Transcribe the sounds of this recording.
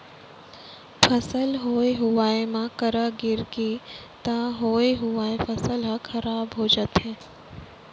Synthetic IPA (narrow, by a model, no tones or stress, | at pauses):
pʰɐsəlɦoːeɦʊʋaːemãkəɾəɡɪɾɡi | t̪aɦoːeɦʊʋaːepʰɐsəlɦɐkʰɐɾaːbɦoːd͡ʒət̪ɦɛ̃ː